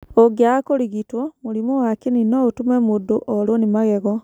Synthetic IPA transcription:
oɡjakoliɣitwomulimowakininoutumemuduʔolonimaɣeɣo

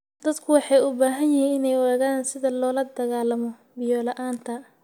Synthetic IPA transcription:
d̪̥ɐd̪kʰʊwɑħɑjʊbaːɦɐnjɪhiːnɪnɛjwɛːɣaːnsɪðɐlɔːlɐd̪ɐɣaːlɐmɔ | bɪjɔːlɐʔaːnt̪ʰɐ

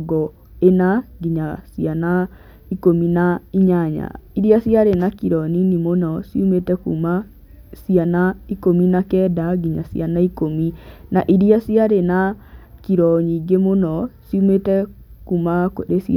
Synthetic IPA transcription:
ɡɔ | enaɡiɲasiana | ikominaiɲaɲa̰iɾiasiaɾenakiɾɔninimonɔsiumetɛkṵma | sianaikominakɛdaɡiɲasḭanaikominaʔiɾiasiaɾenakiɾɔɲiːɡemonɔsiumetɛkumakoɾesi

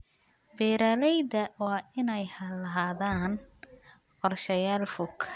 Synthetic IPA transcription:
bɛːɾaːlɛjðɐwɑːɪnɛjhɐlɐɦaːðaːn | qɔrʃɐjaːlfʊkʰ

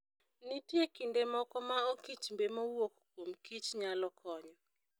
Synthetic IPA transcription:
nitjekindemɔkɔmaokit͡ʃmbemɔwokkwomkit͡ʃɲalɔkʰɔɲɔ

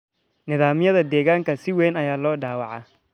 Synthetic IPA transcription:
nɪðaːmɪjɐðɐd̪ɛːɣaːŋkʰɐsɪwɛːnɐjaːlɔːɖaːwɑʕɑ

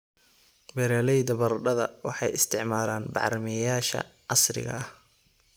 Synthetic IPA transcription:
bɛɾɛːlɛjd̪ɐbɐrɖɐðɐwɑħɑjɪst̪ʰɪʕmaːlaːnbɑ̰ʕɾmɛjaːʃɐ̰ʕɑsrɪ̰ɣɐ̰ɐh

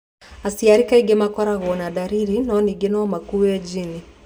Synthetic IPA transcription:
asiaɾikaiɡɛmakaɾaɣuɔnaɗaɾiɾinaɔniɡɛnɔwamakujɛd͡ʒini

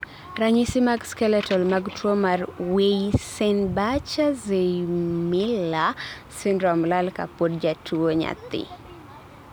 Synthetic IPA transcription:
ɾaɲisimakskɛlɛtɔlmaɡtɔmarweisɛnbat͡ʃazejmila | sindɾɔmlalka̰podd͡ʒatuoɲa̰t̪ɪ̰

